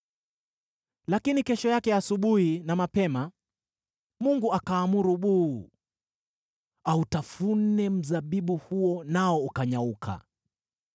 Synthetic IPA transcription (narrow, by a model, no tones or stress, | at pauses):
lakinikɛʃɔjakɛjaːsuɓuhinamapɛma | muŋɡuakaːmuɾuɓuː | autafun̩nɛm̩zaɓiɓuhuɔnaɔukaɲaukʰa̰